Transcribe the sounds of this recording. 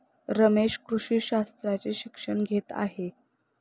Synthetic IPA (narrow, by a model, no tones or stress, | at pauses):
ɾəmeʂkɾuʂiːɕast̪ɾat͡seɕikʂəɳɡʱet̪a̰ɦe